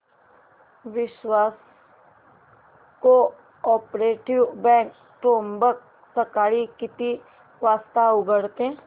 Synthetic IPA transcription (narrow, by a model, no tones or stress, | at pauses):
ʋɪʃwaːs | ko | ɔːpɾeːʈɪʋbɛ̃ːk | ʈõːmbək̚ | səkaːɽikɪt̪i | ʋaːst̪aʊɡəɽt̪eẽː